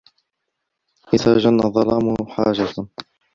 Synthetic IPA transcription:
ʔɪðaʒanːaðˤɑlɑːmʊhħaːd͡ʒat̪a

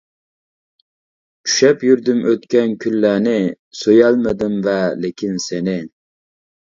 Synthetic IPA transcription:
t͡ʃʰy̥ʃɛpjyɾd̪ymʔøt̪kʲɛnkʲʰylːæːnɪ | sojɛlˠmɪd̪ɪmvɛlɪkʲʰinsenɪ

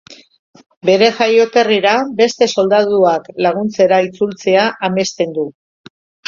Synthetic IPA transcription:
be̞ɾe̞ʝajo̞ke̞riɾabe̞st̪e̞so̞ld̪aðuaklaɣ̞unt͡se̞ɾait͡sult͡se̞aʔame̞st̪e̞nd̪u

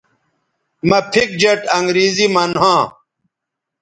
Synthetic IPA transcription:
mɐpʰik̚d͡ʑɐʈɐŋɡɾiːzimɐnɦãː

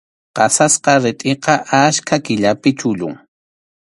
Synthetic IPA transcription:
qɑsasqɑɾɪt̪ʼɪqɑʔaskʰakɪʎapɪt͡ʃʊʎʊ̰ŋ

